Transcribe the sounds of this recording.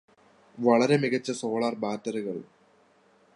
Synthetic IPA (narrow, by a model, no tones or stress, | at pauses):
ʋɐɭɐɾe̞miɣɐt͡ɕːɐso̞ːɭaːrbaːtːɐɾuɣɐɭ